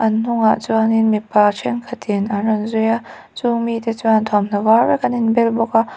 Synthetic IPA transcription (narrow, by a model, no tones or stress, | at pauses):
ʔɐnn̥ʊŋa̰ʔt͡suaninmipːat͡ʃʰɛnŋkʰɐt̪ɪnanrɔnzuja | t͡sumit̪ɛt͡suant̪ʰɔmn̥ɐvarɛkɐninbɛlbɔkaʔ